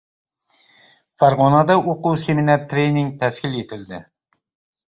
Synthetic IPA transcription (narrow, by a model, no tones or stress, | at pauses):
fɑɾʁonɑd̪ɑʔoquwseminɑɾt̪ɾejniŋt̪ʰæʃkʲilet̪ɪld̪ɪ